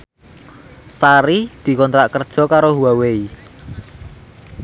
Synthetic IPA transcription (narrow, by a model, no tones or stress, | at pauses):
saɾid̪̥i̤kɔnt̪ɾaʔkərd̥ʒ̥ɔ̤kaɾoɦuwawei